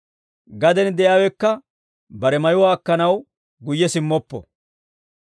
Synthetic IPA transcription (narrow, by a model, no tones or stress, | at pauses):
ɡɐd̪ɛnd̪ɛjaːwɛkːɐ | bɐɾɛmɐjʊwaːkːɐnɐw | ɡʊjːɛsɪmːɔpːɔ̰